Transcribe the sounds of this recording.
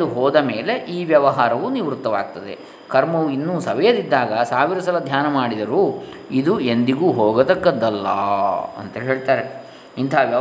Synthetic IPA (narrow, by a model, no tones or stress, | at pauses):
d̪uɦɔːd̪ɐme̞ːle̞ʔiːʋjɐʋɐɦaːɾɐʋuniʋɾut̪ːɐʋa̰ːɡ̚t̪ɐd̪e̞̰ | kɐɾmɐʋuinːuːsɐʋɐjɐd̪id̪ːaːɡɐsaːʋiɾɐsɐlɐd̪ʱjaːnɐmaːɽid̪ɐɾu | id̪ue̞nd̪iɡuːɦoːɡɐd̪ɐkːɐd̪ːɐlːɐ̰ːɐ̰nt̪ɐɦeːɭt̪aːɾe | int̪ʰaːʋjɐ